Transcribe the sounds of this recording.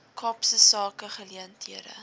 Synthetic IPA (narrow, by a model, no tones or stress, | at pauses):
kʰɑːpsəsɑːkəχəliəntiəɾə̰